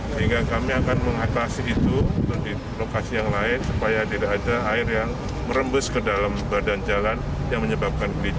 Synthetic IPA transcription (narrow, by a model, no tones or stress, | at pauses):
səɦiŋɡakamiakanməŋat̪asiːt̪uut̪ʊkdi | lokasijaŋlaɪnsupajadiɾaːdaːɪrjaŋ | məɾəmbʊskədalambadand͡ʒalan | jaŋməɲəbap̚kanɡəlid͡ʒ